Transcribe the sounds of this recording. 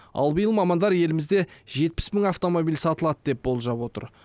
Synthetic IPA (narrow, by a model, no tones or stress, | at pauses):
ɑ̰lˠbəjəlˠmɑmɑnd̪ɑɾje̞lɪmɪzd̪e̞ʒe̞t̪̚pɪ̥sməŋaft̪o̞mobijlsɑt̪əlˠɑd̪əd̪e̞p̚bo̞lˠʒɑpwo̞t̪ə̰ɾ